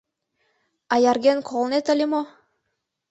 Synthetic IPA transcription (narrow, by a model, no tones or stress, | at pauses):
ɑjɑɾɡʲenkʰolˠnet̪ə̆lʲimo